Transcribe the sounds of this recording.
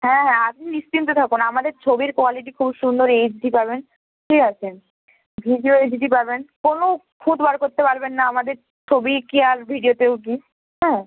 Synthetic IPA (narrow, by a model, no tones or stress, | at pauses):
ɦɛ̃ɦɛ̃ap̚ʰniniʃtint̪̬ot̪ʰakunamad̪eɾt͡ɕʰobiɾkoaliʈ̬ikʰubʃund̪oɾejd͡ʑɖipaɾben | ʈiat͡ɕʰen | bʱiɖioed͡ʑɖipaɾbenkono | kʰũd̪baɾkoɾt̪epaɾbenːaamad̪eɾ | t͡ɕʰobikiaɾbʱiɖijot̪ewk̬i | ɦɛ̃